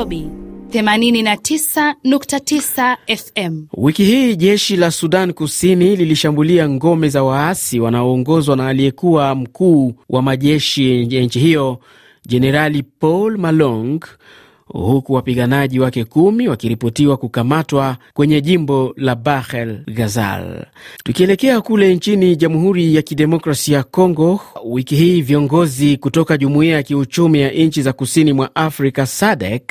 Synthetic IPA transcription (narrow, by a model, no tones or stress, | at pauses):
ɓiθɛmanininatʰisanuktatisaɛfɛmwikihiːʄɛʃilasuɗankusinililiʃambuliaŋɡɔmɛzawaasiwanaɔːŋɡɔzwanaːliɛkuwam̩kuːwʔamaʄɛʃiant͡ʃihijɔ | ʄɛnɛɾalipɔlmalɔŋɡ | hukuwapiɠanaʄiwakɛkumiwakiɾipɔtiwakukamatwakwɛɲɛʄimbɔlabaxɛlɡaza̰ltukiɛlɛkɛakulɛnt͡ʃiniʄamuɦuɾijakiɗɛmɔkɾasijakɔŋɡɔwikiɦiːviɔŋɡɔzikutɔkaʄumuiajakiut͡ʃumijaʔnɲ̩t͡ʃizakusinimwaʔafɾikasaɗɛk